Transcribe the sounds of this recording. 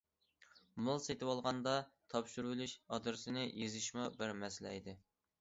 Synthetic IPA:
mʊlˠset̪ʰɪwɑlˠʁɑnd̪ɑt̪ʰɑpʃuɾwlyʃɑd̪ɨɾsɪnɪjezɪʃmubɪɾmɛsɪlɛ̰id̪ɪ

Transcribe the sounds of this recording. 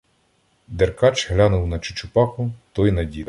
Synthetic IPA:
d̪erkɑt͡ʃɦlʲanʊwnɐt͡ʃʊ̥t͡ʃʊpɑxʊt̪ɔjnɐdʲid̪

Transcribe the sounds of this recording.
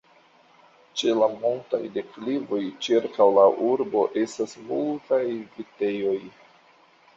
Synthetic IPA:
t͡ʃe̞lamonta̰jde̞klivo̞jt͡ʃiɾkawlaʔuɾbo̞ʔe̞stasmultajvite̞jo̞j

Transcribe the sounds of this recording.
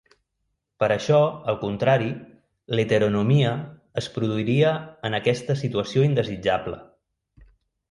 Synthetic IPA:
pəɾəʃɔəlˠkunt̪ɾaɾi | let̪əɾunumiəːspɾuðuiɾiəənəkɛst̪əsit̪uəsioind̪əzid͡ʒablə̰

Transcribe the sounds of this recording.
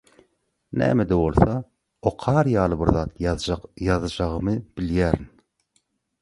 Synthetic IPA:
næ̰ːmɛd̪ɛwolˠsɑ | oqʰɑɾjɑːlˠɯbiɾðɑːt̪ʰjɑðɯd͡ʒɑʁɯmɨb̥iljæːɾin

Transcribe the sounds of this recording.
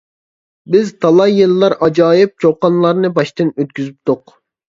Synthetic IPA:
bɪzt̪ʰɑlˠɑjːelːˠɑɾɑd͡ʒɑːjɪp̚t͡ʃʰoqɑnlˠɑɾnɨbɑʃt̪ɨnøt̪̚kʲyzyp̚t̪ʊq

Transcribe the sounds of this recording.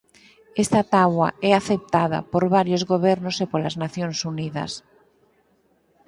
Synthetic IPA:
ɛst̪at̪awa̰ɛaθep̚t̪aða̰poɾβaɾjozɣoβ̞ɛɾnosepolaznaθjonsuniðɐ̰s

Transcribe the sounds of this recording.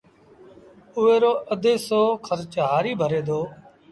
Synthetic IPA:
ʊʋeːɾoːʔəd̪ʱeːsoːkʰəɾt͡ʃɦaːɾiːbʱəɾeːd̪oː

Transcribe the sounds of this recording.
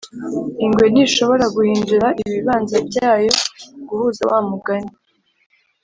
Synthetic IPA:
iŋɡwe̞niʃo̞βo̞ɾaɡuhiːnduɾaʔiβiβaːnzabjaːjo̞ɡuhuːza̰waːmuɡaɲi

